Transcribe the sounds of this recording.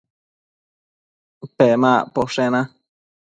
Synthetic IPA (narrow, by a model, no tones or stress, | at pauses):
pemãpoʂenã